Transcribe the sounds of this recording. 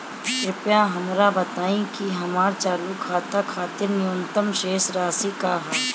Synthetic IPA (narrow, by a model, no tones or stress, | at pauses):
ʃɪpjãɦɐmɾabɐt̪aːĩkiɦɐmaːɾt͡ʃaːluːkʰaːt̪akʰaːt̪ɪɾnjʊnt̪əmʃeːsɾaːsikaːɦɛ